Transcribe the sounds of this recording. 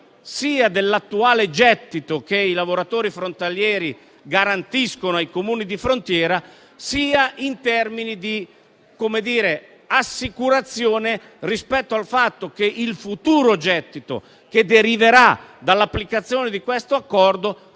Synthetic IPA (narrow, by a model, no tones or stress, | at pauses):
siːad̪elːat̪ːuaːled͡ʒɛt̪ːit̪okeilavoɾat̪oːɾifɾont̪aljɛːɾi | ɡaɾant̪iskonoajkomuːnid̪ifɾont̪jɛːɾa | siːaint̪ɛrminid̪i | komed̪iːɾe | asːikuɾat̪sːjoːne | rispɛt̪ːoalfat̪ːok̟eʔilfut̪uːɾod͡ʒɛt̪ːit̪o̰ | ked̪eɾiveɾad̪alːapːlikat̪sːjoːned̪ikwest̪oakːɔrd̪o